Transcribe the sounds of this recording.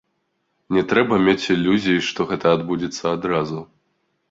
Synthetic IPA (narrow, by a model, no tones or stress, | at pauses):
nʲɛt̪ɾɛbɐmʲet͡sʲilʲːuzʲijiʂt̪ɔɣɛt̪ɐːd̪bud͡zʲit̪sːɐad̪ɾazu